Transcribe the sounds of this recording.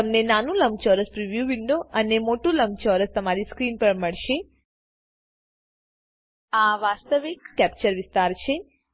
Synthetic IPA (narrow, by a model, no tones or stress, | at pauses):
əmnenanũləmt͡ʃɔɾəspɾiʋjuʋɪɳɖoənemoʈũləmt͡ʃɔɾəst̪əmaɾiskɾinpəɾməɭʃe | aʋast̪əʋikːɛpt͡ʃəɾʋɪst̪aɾt͡ʃʰe